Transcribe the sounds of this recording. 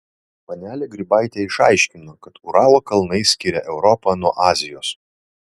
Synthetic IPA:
pɐnʲæːlʲɛɡɾʲɪbɑɪt̪ʲeɪʃɑ̰ˑɪʃʲkʲɪnoːkɐt̪ʊɾɑːlˠoːkɐlˠnɐɪsʲkʲɪɾʲɛʔɛʊɾɔpɐnuɔʔɑːzʲɪjoːs

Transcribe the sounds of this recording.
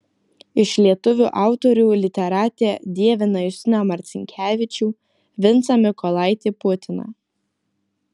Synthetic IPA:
ɪʃlʲiɛt̪ʊʋʲuːʔɑˑʊt̪ɔɾʲuːlʲɪt̪ʲɛɾɑːt̪ʲeːd̪ʲiɛʋʲɪnɐjʊsʲɪnʲɐmɐɾʲt̪sʲɪŋʲkʲʰæːʋʲɪt͡ʃʲuː | ʋʲɪnt̪sɐmʲɪkɔlˠɑˑɪt̪ʲeːpʊt̪ʲɪnɐ̰

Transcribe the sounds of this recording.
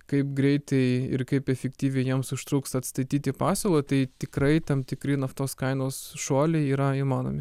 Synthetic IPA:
kɐɪp̚ɡɾʲɛɪt̪ɐɪɪ̰ɾkɐɪpɛfʲɛkt̪ʲiːʋʲɛɪjiɛmsʊʃt̪ɾuːkst̪ɐt̪st̪ɐɪt̪ʲiːt̪ʲɪpɑːsʲoːlˠɐt̪ɐɪt̪ʲɪkɾɐɪt̪ɐmt̪ʲɪkɾʲɪnɐft̪oːskɐɪnoːsʃuɔlʲɛɪiːɾɐiːmɑːno̰ːmʲɪ

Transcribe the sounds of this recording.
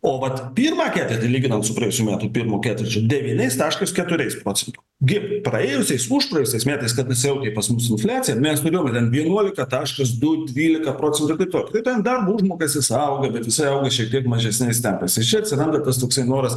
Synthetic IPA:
oːʋɐt̪pʲiːrmɑːkʲæːt̪ʲɛt̪ʲɪlʲiːɡʲɪnɐnt̪sʊpɾrɐɛjʊsʲujːmʲæːt̪ʊːpʲiɾmoːkʲæːt̪ʲɛɾt͡ʃʲʊd̪ʲɛʋʲinʲɛɪst̪ɑːʃkɐskʲɛt̪ʊɾʲɛɪspɾoːt͡sʲɛnt̪ʊːɡʲɪprɐeːjʊsʲɛɪsʊʃpɾɐjɛjʊsʲɛɪsmʲæːt̪ɐɪskɐt̪ɐsʲjɛʊkʲɛɪpɐsmʊsɪnfʲlʲæːt͡sʲɪjɛmʲɛst̪ʊɾʲeːjoːmʲtʲɛnʋʲiɛnuɔlʲɪkɐt̪ɑːʃkɐs̬d̪ʊd̪ʲʋʲiːlʲɪkɐpɾoːt͡sʲɛnt̪ʊɪrt̪ɐɪptoːkɪt̪ɐɪt̪ʲɛnd̪ɐrbʊʒmoːkɐsjʲɪsɐʊɡɐbʲɛt̪ʋʲɪsɐɪɐʊɡɐʃʲɛk̚t̪ʲiɛkmɐʒʲɛsʲnʲɛɪsʲt̪ʲɛŋkɐɪsʲɪt͡ʃʲɛɐtʲsʲɪɾɐnd̪ɐt̪ɐst̪oːksʲɐɪnoːɾɐs

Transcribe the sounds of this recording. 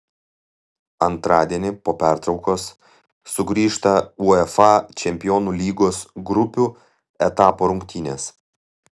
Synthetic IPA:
ɐnt̪ɾɑːd̪ʲiɛnʲɪpoːpʲæˑɾt̪ɾɒʊkoːsː | ʊɡɾʲiːʃt̪ɐuɛfɑt͡ʃʲɛmʲpʲɪjɔːnuːlʲiːɡoːsɡɾʊpʲuː | ɛt̪ɑːpoːɾʊŋʲkt̪ʲiːnʲeːs

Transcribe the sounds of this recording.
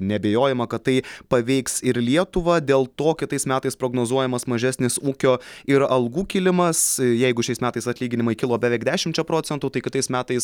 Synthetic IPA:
nʲɛbʲeːjoːjɛmɐkɐt̪t̪ːɐɪpɐʋʲɛɪksɪɾlʲiɛt̪ʊʋɐd̪ʲeːlˠt̪oːkʲɪt̪ɐɪsmʲæːt̪ɐɪspɾoːɡnoːzuɔjɛmɐsmɐʒʲæsʲnʲɪsuːkʲoːɪɾɐlˠɡuːkʲilʲɪmɐsjɛɪɡʊʃʲɛɪsmʲæːt̪ɐɪsɐt̪ʲlʲiːɡʲɪnʲɪmɐɪkʲɪlˠoːbʲɛʋʲɛɪkd̪ʲæːʃʲɪmt͡ʃʲɛpɾoːt͡s̪ʲɛnt̪uːt̪ɐɪkʲɪt̪ɐɪsmʲæːt̪ɐɪs

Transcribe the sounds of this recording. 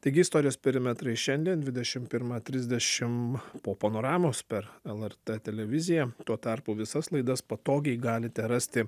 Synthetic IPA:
t̪ɐɪɡʲɪɪst̪oːɾʲɪjoːspʲɛɾʲɪmʲɛt̪ɾɐɪʃʲɛnʲd̪ʲiɛnd̪ʲʋʲɪd̪ʲɛʃʲɪmpʲɪɾmɑt̪ʲɾʲɪzʲd̪ʲɛʃʲɪmpoːpɐnoːɾɑːmoːspʲɛɾɛlˠɛrt̪ɛt̪ʲɛlʲɛʋʲɪzʲɪjɛt̪uɔt̪ɑɾpʊʋʲɪsɐslˠɐɪd̪ɐspɐt̪oːɡʲɛɪɡɑːlʲɪt̪ʲɛɾɑsʲt̪ʲɪ

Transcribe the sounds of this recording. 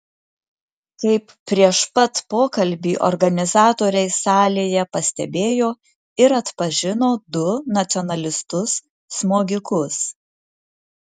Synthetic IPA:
kɐɪpːʲɾʲiɛʃpɐt̪poːkɐlʲbʲiːʔɔ̰ɾɡɐnʲɪzɑːt̪oːɾʲɛɪsɑːlʲeːjɛpɐsʲt̪ʲɛbʲeːjoː | ɪɾɐt̪pɐʒʲɪnoːd̪ʊnɐt̪sʲɔnɐlʲɪst̪ʊsː | moːɡʲɪkʊs

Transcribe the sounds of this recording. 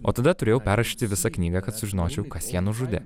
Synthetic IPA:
oːt̪ɐd̪ɐt̪ʊɾʲeːjɛʊpʲæːɾɐʃʲiːt̪ʲɪʋʲɪsɑknʲiːɡɐkɐt̪sʊʒʲɪnoːt͡ʃʲɛʊkɐsjiːnʊʒʊd̪ʲɪ

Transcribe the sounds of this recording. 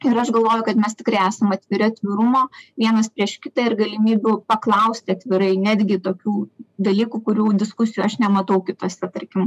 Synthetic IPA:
ɪɾɐʃɡɐlˠʋoːjʊkɐt̪mʲɛst̪ʲɪkrɐɪæːsɐmɐt̪ʲʋʲɪɾʲʊɐt̪ʲʋʲɪɾʊmoːʋʲiɛnɐspʲɾʲiɛʃkʲɪt̪ɐːɪrɡɐlʲɪmʲiːbʲʊpɐklˠɐʊsʲt̪ʲɪɐt̪ʲʋʲɪɾɐɪnʲæːd̪ʲɡʲɪt̪oːkʲuːd̪ɐlʲiːkukʊɾʲuːd̪ʲɪskʊsʲɪjuɐʃnʲɛmɐt̪ɐʊkʲɪt̪uɔsʲɛt̪ɐɾʲkʲɪm

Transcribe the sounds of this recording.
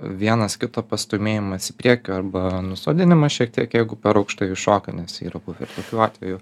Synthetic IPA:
ʋʲiɛnɐskʲɪt̪oːpɐst̪oːmʲeːjɪmɐsɪ̥pʲɾʲiɛkʲʊːɐɾbɐnʊsoːd̪ʲɪnʲɪmɐʃʲiɛk̚t̪ʲiɛkjɛɪɡʊpʲɛɾɐʊkʃt̪ɐɪʃoːkʲɐnʲɛsḭːɾɐbuʋɪɾt̪oːkʲuːɑːt̪ʲʋʲɛjʊ

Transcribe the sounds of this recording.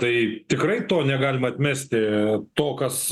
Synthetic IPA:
t̪ɐɪt̪ʲɪkrɐɪt̪oːnʲɛɡɑːlʲɪmɐt̪ʲmʲæsʲt̪ʲɪt̪oːkɐs

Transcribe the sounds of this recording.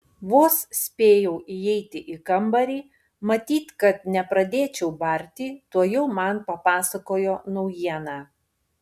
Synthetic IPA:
ʋoːssʲpʲeːjɛʊʔɪjɛɪt̪ʲɪʔɪkɐmbɐɾʲiː | mɐt̪ʲiːt̪kɐt̪nʲɛpɾɐd̪ʲeːt͡ʃʲɛʊbɐɾʲt̪ʲiːt̪uɔjɛʊmɑnpɐpɑːsɐkoːjoːnɔʊjiɛnɑː

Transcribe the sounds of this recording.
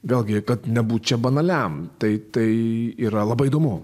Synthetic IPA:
ʋʲeːlˠʲɡʲɪkɐt̪nʲɛbuːt̪̚t͡ʃʲɛbɐnɐlʲɛmt̪ɐɪt̪ɐɪiːɾɐlˠɐbɐɪid̪oːmʊ

